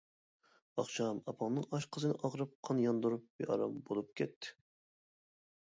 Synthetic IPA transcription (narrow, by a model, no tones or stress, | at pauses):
ɑχʃɑmɑpʰɑŋnɨŋɑʃqʰəzɨnɨʔɑʁɾɨp̚qʰɑnjɑnd̪uɾup̚beʔɑ̰ɾɑ̰mbolˠup̚kʲʰɛt̪ʰːɪ̥